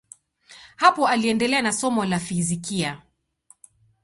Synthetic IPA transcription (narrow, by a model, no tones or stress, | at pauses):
hapɔaliɛndɛlɛanasɔmɔlafizikia